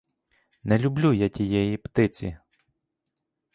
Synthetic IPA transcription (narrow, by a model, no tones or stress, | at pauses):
nɛlʲʊblʲujatʲijɛjipt̪ɪt͡sʲḭ